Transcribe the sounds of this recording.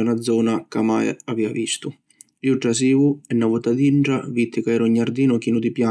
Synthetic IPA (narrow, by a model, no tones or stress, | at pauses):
anad̪zːɔːnakamajaviːavist̪ʊ | liuʈːas̬iːvuɛnːavut̪ad̪iɳʈɾavit̪ʰːɪkaɛːɾɔɲːaɾd̪iːnʊk̟iːnud̪ipja